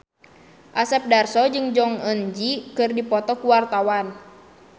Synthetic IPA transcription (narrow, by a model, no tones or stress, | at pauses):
ʔasɛp̚darsɔd͡ʒɨŋd͡ʒɔŋənd͡ʒikɨrdipɔt̪ɔkuwart̪awan